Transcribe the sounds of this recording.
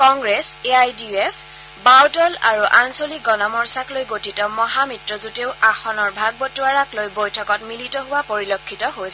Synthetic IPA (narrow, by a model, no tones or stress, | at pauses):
kɔŋɡɹɛseajdiepʰ | bawtɔla̰ɹuʔansolik̚ɡɔnɔmɔɹsaklojɡotitɔmɔɦamitɹɔzuteʊaxɔnɔɹbʱaɡ̚bɔtuaɹaklojbojtʰɔkɔtmilitɔɦʊwapoɹilokʰːitɔɦojs